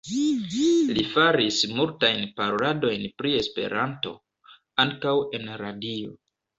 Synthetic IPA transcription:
lifaɾismultajnpaɾo̞lado̞jnpɾie̞spe̞̰ɾʔanto̞̰ | aŋkawe̞nɾadio̞̰

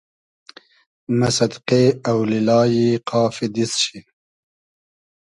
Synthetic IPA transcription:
masad̪qeawlilɑːjiqʰɑːfid̪isʃi

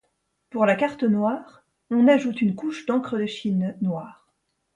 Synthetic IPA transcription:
puʁlakaʁt̪ənwaːʁ | ɔ̃naʒut̪ynkuʃd̪ɑ̃kχəd̪əʃinːwaːʁ

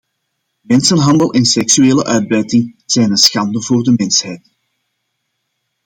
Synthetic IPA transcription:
mɛnsənɦɑndəlˠʔɛnsɛksyeːləʔœːɥd̚bɛjtɪŋz̥ɛjnənsxɑndəvoːrdəmɛnshɛjt

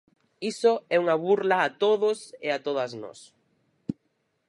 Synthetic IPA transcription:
isoɛuŋaβuɾlaːt̪oðʊseat̪oðɐznɔ̰s

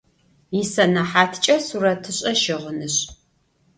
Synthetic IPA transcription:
jɪsɐnɐħaːtʰt͡ʃʼɐsurɐtʰɨɕʼɐʃɪʁənɨɕ

